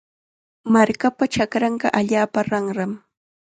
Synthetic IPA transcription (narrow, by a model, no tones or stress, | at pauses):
maɾkapaʈ͡ʂakɾɑɴɢɑʔaʎaːpaɾɑŋɾɑm